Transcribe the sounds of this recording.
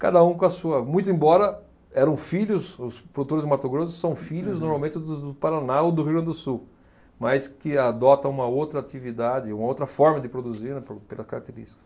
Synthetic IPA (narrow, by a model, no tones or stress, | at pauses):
ka̰d̪ɐũkõɐsuɐmũj̃t̪ʊẽbɔɾɐ | ɛɾɐ̃w̃fiʎʊsʊspɾod̪ut̪oɾɪzmat̪oɡɾozʊssɐ̃w̃fiʎʊznoɾmawmẽnt̪ɪd̪ʊd̪ʊpaɾanaod̪ʊɦiẽnd̪ʊsuw | majskɪad̪ɔt̪ɐũmɐowt̪ɾɐat̪ivid̪ad͡ʒɪũmɐowt̪ɾɐfɔɾmɐd̪ɪpɾod̪uziɾnɛpoɾpelɐskaɾak̚t̪eɾḭʃti̥kɐ̥s